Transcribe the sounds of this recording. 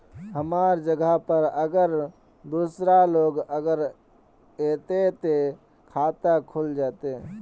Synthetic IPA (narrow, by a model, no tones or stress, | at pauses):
ɦəmaːɾd͡ʒəɡapəɾəɡəɾ | d̪uːsɾaloːɡəɡəɾ | eːt̪et̪e | kʰaːt̪akʰuld͡ʒaːt̪e